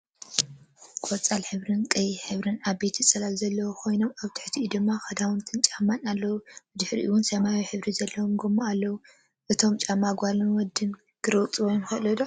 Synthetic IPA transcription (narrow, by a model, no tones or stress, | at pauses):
kʼot͡sʼalħɨβɾɨnkʼɐjiħɨβɾɨnaβbe̞t̪ʰit͡sʼɐlalzɐlːɐwokʰo̞jno̞maβt̪ʰɨ̥ħt̪ʰiʔid̪ɨmːaxɐd̪awunt̪ʰɨnt͡ʃʼamːanalːɐwubɨd̪ɨħɾḭʔɨwʊnsɐmawiħɨβɾizɐlːɐwomɡomːoalːɐwu | ʔɨt̪ʰo̞mt͡ʃʼamːaɡʷalinwɔd̪ːɨn | ɡ̥ɨɾɐwt͡sʼwojunxɐʔlɐd̪o